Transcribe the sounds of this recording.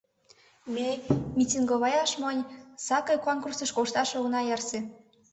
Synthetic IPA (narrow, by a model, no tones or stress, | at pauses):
mʲemʲitʲinɡoβɑjɑʃmənʲsɑkɤjkonkursəʃkoʃt̪ɑʃoɣnɑjɑrsĕ